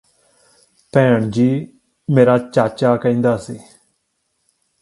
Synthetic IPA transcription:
pɛ̃ːɳd͡ʒiː | meːɾaːt͡ʃaːt͡ʃaːkəĩːnd̪aːsiː

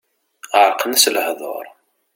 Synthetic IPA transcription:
əɾˤqnəsləhðˤo̰ɾˤ

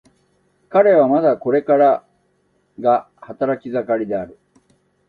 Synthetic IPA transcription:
kaɾe̞β̞amad̪ako̞ɾe̞kaɾa | ɡa | hat̪aɾakʲizakaɾʲid̪e̞aɾɯ̟

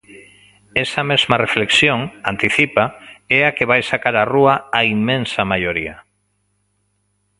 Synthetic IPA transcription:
ɛsɐmezmɐrefleksjoŋant̪iθipaɛakeβajsakaɾaruɐaimːẽnsɐmajoɾia

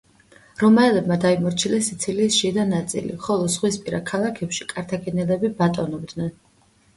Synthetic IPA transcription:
ɾɔmaɛlɛbmad̪aimɔɾt͡ʃʰilɛsit̪sʰiliʃid̪anat̪sʼḭlḭχɔlˠɔzʁwispʼiɾakʰalˠakʰɛpʃikʼaɾt̪ʰaɡʼɛnɛlɛbibat̪ʼɔnɔbd̪nɛn

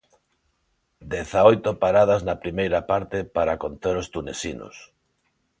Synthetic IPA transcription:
d̪ɛθaojt̪opaɾaðaznapɾimejɾapaɾt̪epaɾakont̪eɾost̪unesino̰s

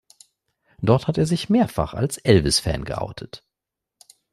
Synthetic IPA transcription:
d̥ɔɐthateːɐzɪçmeːɐfa̰χa̰lsʔɛlvɪsfɛ̰ːnɡə̰ʔa̰ʊtʰət

